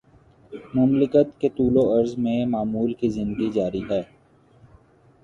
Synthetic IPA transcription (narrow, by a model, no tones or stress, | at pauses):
mʊmlɪkət̪ket̪uːloɐɾzmẽmaːmuːlkizɪ̃nd̪əɡid͡ʒaːɾiɦɛː